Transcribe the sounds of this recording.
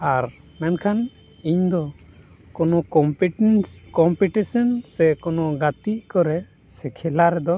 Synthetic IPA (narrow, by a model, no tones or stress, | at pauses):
aɾ | mɛnkʰan | iɲd̪ɔ | kɔnɔkɔmpnskɔmpiʈisɔnsɛkɔnɔɡat̪iʔkɔɾɛ | sɛkʰɛlaɾɛd̪ɔ